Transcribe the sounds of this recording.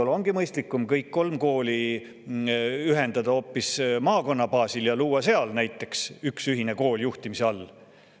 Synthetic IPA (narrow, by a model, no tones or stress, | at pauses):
olo̞ŋɡ̥imɤjst̪likːˑumkɤjkːko̞lmko̞ːli | yɦe̞nd̪ɑd̪̥ɑo̞ːpːismɑːko̞nːɑpɑːsiljɑluːɑse̞ɑlnæjt̪ːˑe̞ksyksyɦine̞ko̞ːljuht̪imiseɑlː